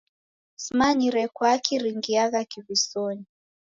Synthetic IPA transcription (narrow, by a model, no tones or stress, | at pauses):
smaɲiɾɛkwakʰiɾiŋɡiaɣakiβisɔɲi